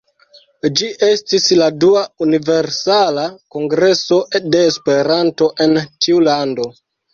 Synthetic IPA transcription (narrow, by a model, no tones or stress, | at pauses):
d͡ʒiʔe̞stisladuaunive̞ɾsalako̞ŋɡɾe̞so̞de̞ːspe̞ɾanto̞ʔe̞ntiulando̞